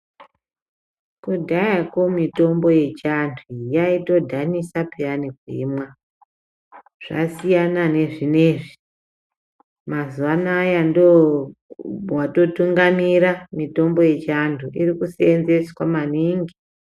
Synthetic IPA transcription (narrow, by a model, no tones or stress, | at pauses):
kudʱajakomito̞mbo̞je̞t͡ʃandʰʱujaito̞dʱanisapianikwimwa | ʐ̥a̰sijanane̞ʐine̞ʐi | mazuwanajando | wato̞tuŋɡamiɾamito̞mbo̞je̞t͡ʃandʰʱuirikuseenze̞swamaniːŋɡi